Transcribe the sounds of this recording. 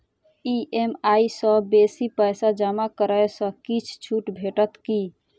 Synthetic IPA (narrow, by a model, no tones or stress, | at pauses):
iʔemaisə̃besipəjsad͡ʒamakəɾəesə̃kit͡ʃʰt͡ʃʰuʈbʱeʈət̪ki